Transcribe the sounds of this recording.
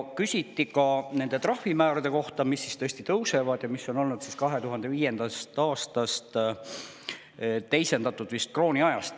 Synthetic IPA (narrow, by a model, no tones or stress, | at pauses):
kysʲit̪ːikɑne̞nd̪e̞t̪rɑhːimæːɾɑd̪e̞ko̞ht̪ɑmisːist̪ɤ̞esʲt̪it̪ɤwse̞vɑd̪̥jɑmisːo̞no̞lnud̪̥siskɑɦe̞t̪uɦɑnd̪̥e̞viːje̞nd̪̥ɑst̪ɑːst̪ɑst̪ | t̪e̞jse̞nd̪ɑt̪ːˑud̪̥vist̪̚kro̞ːnʲiɑjɑst̪